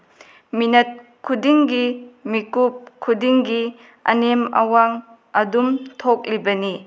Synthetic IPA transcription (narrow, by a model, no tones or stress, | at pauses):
minɐt̚kʰudiŋɡimikup̚kʰudiŋɡi | ɐ̰nemɐ̰waŋ | ɐdumtʰok̚libɐni